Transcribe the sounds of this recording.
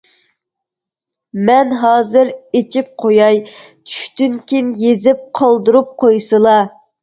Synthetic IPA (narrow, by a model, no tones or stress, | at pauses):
mɛnɦɑːzɨɾet͡ʃʰip̚qʰojɑj | t͡ʃʰy̥ʃt̪ynkʲinjezɪp̚qʰɑlˠd̪ɨɾup̚qʰojsɨlˠɑ